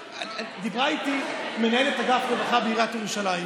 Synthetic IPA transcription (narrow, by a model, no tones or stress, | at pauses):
ad̪ibʁait̪ime̞nae̞le̞t̪aɡafɡovaχabeiʁat̪jeʁuʃalajm